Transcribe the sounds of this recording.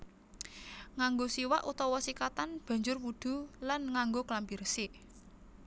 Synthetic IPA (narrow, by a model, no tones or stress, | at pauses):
ŋaŋɡosiwa̰ʔut̪ɔwɔsikat̪anb̥a̤ɲd͡ʒʊrpud̪̥ṳlanŋaŋɡoklambirsɪʔ